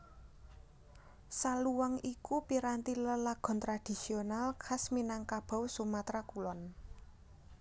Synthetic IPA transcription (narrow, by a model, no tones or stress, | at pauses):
saluwaŋikupiɾant̪iləlaɡ̥ɔ̤nt̪ɾad̪̥i̤sionalkʰasminaŋkab̥a̤wsumat̪ɾakulɔn